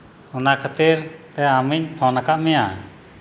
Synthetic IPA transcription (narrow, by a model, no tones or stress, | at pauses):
ɔnakʰat̪iɾt̪ɛamiɲt̪ʰɔ̃nakaʔmɛja